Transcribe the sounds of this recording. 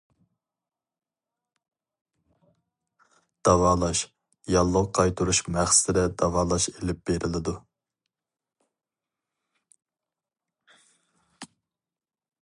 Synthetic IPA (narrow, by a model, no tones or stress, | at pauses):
d̪̥ɑvɑːlˠɑʃ | jɑlˠːʊqʰɑjt̪ʰuɾuʃmæχsɪd̪ɛd̪̥ɑvɑːlˠɑʃelɪp̚b̥eɾɪlɪd̪u